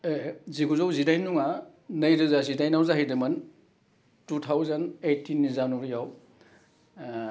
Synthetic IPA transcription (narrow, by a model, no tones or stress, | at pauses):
eziɡuzawzidajnuŋa | nɐjɾɯzazidajnawzaɦijdɯmɐn | tutʰawzanejtʰːinːizanuɾijaw